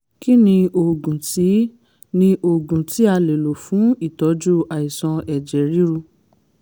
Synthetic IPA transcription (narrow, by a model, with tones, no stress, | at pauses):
ki˦nĩ˧o˨ɡũ˨ti˨˦ | nĩ˧ʔo˨ɡũ˨ti˨˦a˧le˨lo˨fũ˨˦i˦˨tɔ˨˦d͡ʒu˦a˨i˨sɔ̃˧ɛ˨d͡ʒɛ˨ɾi˦ɾu˧